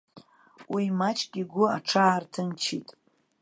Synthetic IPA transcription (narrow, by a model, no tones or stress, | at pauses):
wimat͡ʃʰʼɡʲʼiɡʷʊaʈ͡ʂʰaːrtʰɨnt͡ʃʰitʼ